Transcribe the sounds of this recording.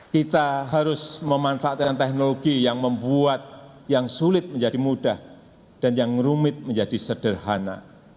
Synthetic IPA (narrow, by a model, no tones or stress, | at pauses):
kit̪aɦaɾʊsməmanfaʔat̪̚kant̪ɛk̚noloɡijaŋməmbuat̪̚ | jaŋsulɪt̪̚məɲd͡ʒadimudah | d̥anjaŋrumɪt̪̚məɲd͡ʒadisəd̥ərɦana̰